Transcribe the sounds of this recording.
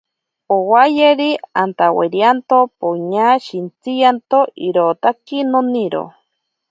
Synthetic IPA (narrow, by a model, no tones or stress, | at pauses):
owajeɾiant̪awḛɾjant̪opoɲaʃint͡sijant̪oʔiɾot̪akinoniɾo̰